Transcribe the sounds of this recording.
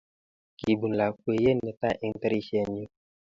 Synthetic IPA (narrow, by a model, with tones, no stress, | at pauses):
ki˨bu˨n̩˨la˨kwe˨je˦ne˨ta˦ʔi˨ŋ˦te˦ɾi˦ʃi˦ɛ˨n˦u˦